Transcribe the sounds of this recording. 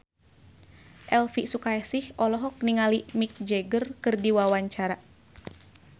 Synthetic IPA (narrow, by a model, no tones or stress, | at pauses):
ʔɛlfisukajɛsihʔɔlɔɦɔk̚niŋalimik̚d͡ʒɛɡərkɨrdiwawaɲt͡ʃaɾa